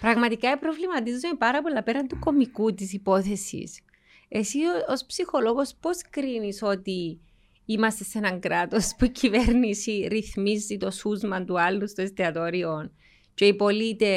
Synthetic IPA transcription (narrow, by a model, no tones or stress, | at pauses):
pɾɐɣmɐt̪ikaipɾo̞vlimɐt̪izzumepɐɾɐpo̞lːɐpe̞ɾɐnt̪uko̞mikut̪is̬ipo̞θe̞sḭs | e̞siospsixo̞loɣo̞spo̞skɾiniso̞t̪i | imɐst̪e̞se̞nɐŋɡɾat̪o̞spuicive̞ɾnisiɾiθmizːit̪o̞suzmɐnt̪ualːust̪oest̪eɐt̪oɾion | ceipo̞lit̪e̞